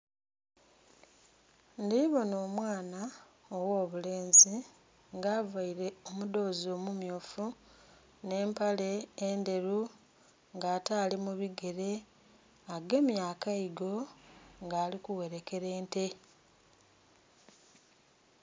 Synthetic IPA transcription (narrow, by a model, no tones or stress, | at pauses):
ndiβo̞no̞ːmwaːna | owoːβule̞ːnzi | ŋɡaːvaiɾe̞omudo̞ːzo̞ːmumjoːfu | ne̞ːmpale̞ːnde̞ɾu | ŋɡaːtaːlimuβiɡe̞ɾe̞ | aɡe̞ːmjaːkaiɡo̞ŋɡaːlikuwe̞ɾeke̞ɾe̞ːnte̞